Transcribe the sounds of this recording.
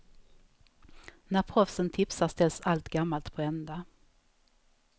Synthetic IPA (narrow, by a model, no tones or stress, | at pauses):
næɾpʰɾɔfsənt̪ʰɪpsast̪ɛlsalt̪ɡamːalt̪pʰɔɛnd̪a